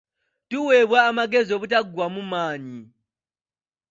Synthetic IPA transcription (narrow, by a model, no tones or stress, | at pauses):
tuwɛβwaːmaɡɛzɔβutʼaɡwamumaːɲi